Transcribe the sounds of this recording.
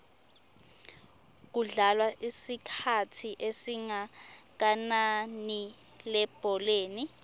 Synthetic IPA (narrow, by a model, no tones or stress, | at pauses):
k̬uɮalwaʔisikʰatʰiʔesiŋak̬anani | lɛb̥ʱɔleːni